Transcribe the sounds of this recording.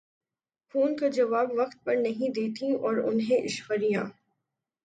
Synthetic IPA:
xʰuːnkad͡ʒɐʋaːbʋɐqt̪̚pɐɾnɐɦĩd̪eːt̪ʰĩɔːɾʊ̰nɦẽʔɪʃwəɾijãː

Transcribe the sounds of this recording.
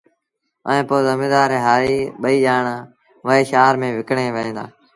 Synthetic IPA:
ə̰ẽːpoːzəmĩːd̪aːɾẽːɦaːɾiːɓəiːʄaːɳaː | ʋəɦeːʃaːɾmẽːʋɪkɳeːʋəɦẽːd̪aː

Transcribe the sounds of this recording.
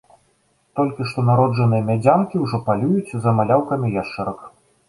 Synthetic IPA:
t̪ɔlʲkʲiʂt̪ɔnaɾɔd͡ʐɐnɨjɐmʲad͡zʲamkʲiwʐɔpalʲujut͡sʲzɐmalʲawkɐmʲijaʂt͡ʂɛɾɐk

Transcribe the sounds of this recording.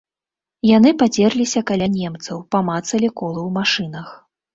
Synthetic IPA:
janɨpad͡zʲɛrlʲisʲɐkalʲanʲɛmt̪sɐwpɐmat̪sɐlʲikɔlˠɐwmaʂɨnɐx

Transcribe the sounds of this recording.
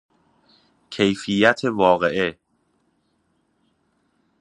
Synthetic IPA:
cʰe̞jfijæt̪ʰe̞vɒːɣeʔe

